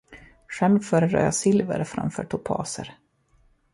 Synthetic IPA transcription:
ɧɛmːfœːɾəd̪ɾɑ̰ːjasɪlvəɾfɾa̰mfœːʈʰʊpʰɑ̰ːsəɾ

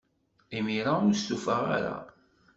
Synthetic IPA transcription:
imiɾaʊɾstufəʁa̰ɾa̰

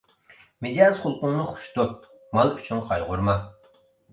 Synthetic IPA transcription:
med̪ʲiazχʊlˠqʊŋnɨχʊ̥ʃt̪ot̪̚ | mɑlˠyt͡ʃʰynqʰɑjʁʊɾmɑ

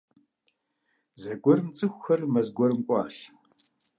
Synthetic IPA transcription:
zɐɡʷɔrɨmt͡sʼɨxʷxɐrmɐzɡʷɔɾɨmkʷʼɑ̰ːɬ

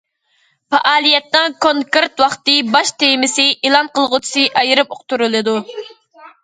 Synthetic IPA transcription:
pɑʔɑːlˠijɛt̪nːɪŋkʰoŋkeɾt̪wɑχt̪ɨbɑʃt̪ejmɪsɪʔilˠɑnqəlˠʁʊt͡ʃʰu̥sɨʔɑjɨɾɨpoqt̪uɾɨlˠɨd̪u

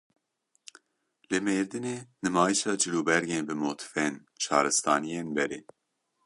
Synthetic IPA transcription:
lɨmeːɾd̪ɨneːnɨmɑːjiʃɑːd͡ʒɨluːbɛɾɡeːnbɨmoːt̪ʰfɛn | t͡ʃʰɑːɾɨst̪ɑːnijeːnbɛɾeː

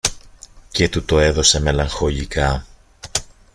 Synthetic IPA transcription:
ce̞t̪ut̪o̞e̞ðo̞se̞me̞lɐŋxo̞ʎikɐ

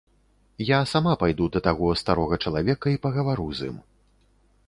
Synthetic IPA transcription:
jasamapajd̪ud̪ɐt̪aɣɔst̪aɾɔɣɐt͡ʂɐlˠavʲɛkɐipɐɣɐvaɾuzʲḭm

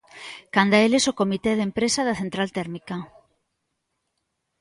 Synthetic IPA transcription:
kand̪aelesokomit̪eðempɾesaðaθent̪ɾalt̪ɛɾmika

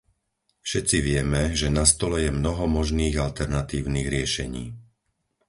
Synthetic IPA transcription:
fʃɛt͡siʋɪɛmɛʒɛnast̪ɔlɛjɛmnɔɦɔmɔʒniːɣalt̪ɛɾnat̪iːʊniːɣɾɪɛʃɛɲḭː

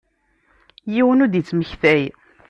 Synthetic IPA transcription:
jiwənʊd̪jət͡sːməçθæj

